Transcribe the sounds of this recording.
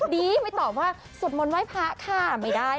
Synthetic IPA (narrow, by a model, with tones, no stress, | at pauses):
diː˧ma˥˩t̪ɔː˨˩p̚waː˥˩ | su˨˩ən̚mo˧nwaː˦˥jpʰa˦˥ʔkʰaː˥˩ma˥˩jdaː˥˩